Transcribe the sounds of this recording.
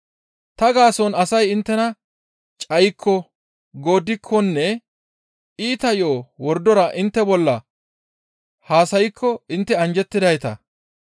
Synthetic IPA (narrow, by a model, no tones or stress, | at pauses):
t̪ɐɡaːsɔnɐsɐjɪnt̪ːɛnɐ | t͡ʃʼɐjkʰːɔ | ɡo̞ːd̪ɪkʰːɔnːɛ | ʔiːt̪ɐjoːwɔɾd̪ɔɾɐʔɪnt̪ːɛbɔlːɐ | haːsɐjɪkʰːɔɪnt̪ːɛɐnd͡ʒɛt̪ːɪd̪ɐjt̪ɐ̰